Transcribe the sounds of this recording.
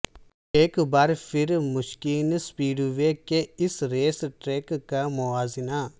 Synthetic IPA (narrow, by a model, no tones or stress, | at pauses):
eːkbaːɾfʰɪɾmʊʃkiːnspiːɖʋekeɪsɾeːsʈɾeːkkamʊaːzɪna